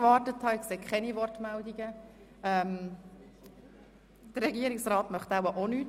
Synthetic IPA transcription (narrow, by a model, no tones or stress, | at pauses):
ʋɑːɾtəthɑɛseːkχɛnivɔrtmɛldiɡə | ɛm | d̥əɾːɛɡiːəɾiksɾɑːtmœχtawəʔonyːt